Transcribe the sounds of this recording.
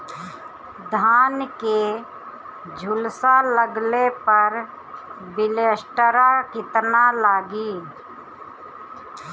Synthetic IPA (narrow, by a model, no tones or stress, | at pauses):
d̪ʱaːnke | d͡ʒʱʊlsaləɡlepəɾ | bɪləsʈəɾakɪt̪nalaːɡiː